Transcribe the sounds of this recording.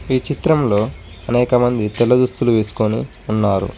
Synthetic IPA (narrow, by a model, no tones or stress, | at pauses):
iːt͡ʃit̪ɾɐmlo̞ː | ɐnɛːkɐmɐnd̪it̪ɛlːɐd̪ust̪uluʋe̞ːsu̥koni | unːaːɾṵ